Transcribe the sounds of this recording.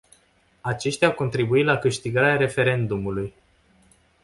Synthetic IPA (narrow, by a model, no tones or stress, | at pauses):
at͡ʃe̞ʃt̪ʲawko̞nt̪ɾibuit̪lakɨʃt̪iɡaɾeaɾe̞fe̞ɾe̞nd̪umuluj